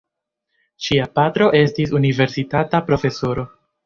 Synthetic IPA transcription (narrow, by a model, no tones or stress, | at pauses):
ʃiapatɾo̞ʔe̞stisunive̞ɾsitatapɾo̞fe̞soɾo̞